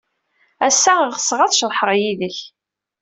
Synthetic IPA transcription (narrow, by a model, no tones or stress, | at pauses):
æsːæʁʁəsʁæθʃəɾˤħəʁˤjiðəç